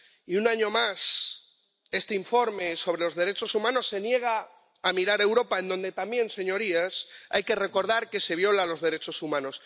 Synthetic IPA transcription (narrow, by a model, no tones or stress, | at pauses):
iunaɲo̞mas | e̞st̪eiɱfo̞ɾme̞so̞β̞ɾelo̞zðe̞ɾe̞t͡ʃo̞sumãno̞sːe̞nje̞ɣ̞aː | miɾaɾe̞wɾo̞pae̞nd̪õ̞nd̪e̞t̪amje̞nse̞ɲo̞ɾiasa̰jke̞re̞ko̞ɾð̞aɾke̞se̞β̞jo̞lalo̞zðe̞ɾe̞t͡ʃo̞sumãno̞s